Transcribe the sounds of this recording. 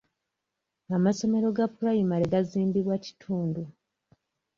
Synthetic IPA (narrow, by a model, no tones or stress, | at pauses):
amaso̞me̞ɾo̞ɡapulajimaleɡaziːmbiβwaci̥tʰuːndu